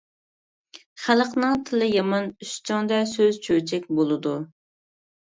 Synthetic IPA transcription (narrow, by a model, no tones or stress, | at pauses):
χælˠqnɨŋt̪ʰɪlɪjɑmɑnyʃt͡ʃʰɑŋd̪ɛsøzt͡ʃʰøt͡ʃʰɛkʲbolˠɨd̪u